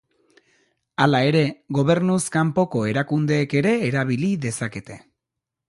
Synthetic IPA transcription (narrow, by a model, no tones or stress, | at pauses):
alae̞ɾe̞ɣo̞βe̞ɾnuskampo̞ko̞e̞ɾakund̪e̞ːke̞ɾe̞ːɾaβ̞iliðe̞sake̞t̪e̞